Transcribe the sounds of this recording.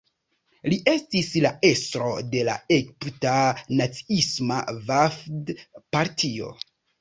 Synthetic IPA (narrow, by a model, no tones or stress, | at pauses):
liʔe̞stislae̞stɾo̞de̞la̰ekptanat͡si̥isma̰vafdpaɾtʰio̞̰